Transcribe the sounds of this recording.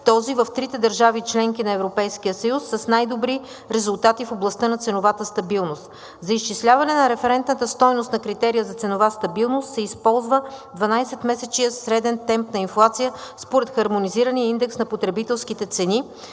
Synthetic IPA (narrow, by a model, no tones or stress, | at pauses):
t̪ɔzivɐft̪ɾit̪ɛd̪ɐɾʒavit͡ʃlɛŋkʲinɐɛvɾopɛjskijəsəjusːɐsnajd̪obɾi | ɾɛzulˠt̪at̪ifoblˠɐst̪ɤnɐt̪sɛnovat̪əst̪ɐbilˠnost̪ | zɐist͡ʃislʲavɐnɛnɐɾɛfɛɾɛnt̪nət̪əst̪ɔjnʊst̪nɐkɾit̪ɛɾijəzɐt̪sɛnovast̪ɐbilˠnost̪sɛispɔlˠzvəd̪vɐnajsɛt̪mɛsɛt͡ʃijəsɾɛd̪ɛnt̚nɛmpnɐinflˠat̪sijəspoɾɛt̪xɐɾmoniziɾənijəind̪ɛksnɐpot̪ɾɛbit̪ɛlˠskit̪ɛt̪sɛni